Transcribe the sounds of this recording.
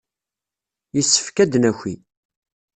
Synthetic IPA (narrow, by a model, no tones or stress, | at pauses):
jəsːə̥fkæd̪næçʷḭ